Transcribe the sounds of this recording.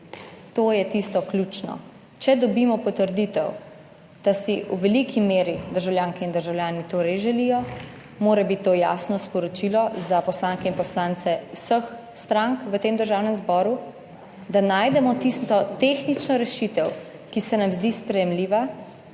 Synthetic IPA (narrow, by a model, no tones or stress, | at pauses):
t̪oːjɛt̪ist̪ɔklʲjuːt͡ʃnɔ̰ | t͡ʃɛd̪ɔbimɔpɔt̪əɾd̪it̪ɛw | d̪̥asiuʋɛlikʰimeːɾid̪əɾʒawljaːŋkɛind̪əɾʒawlʲjaːnit̪oːɾɛejʒɛlijɔ | moːɾɛbit̪ːoːja̰ːsnɔspɔɾɔt͡ʃilɔzapɔslaːŋkɛinpɔslant̪sɛwsəx | st̪ɾaŋkʋət̪eːmd̪əɾʒawnɛmzbɔːɾu | d̪anaːjd̪ɛmɔt̪ist̪ɔt̪exnit͡ʃnɔɾɛʃit̪ɛw | kisɛnamzd̪iːspɾɛjɛmliːʋa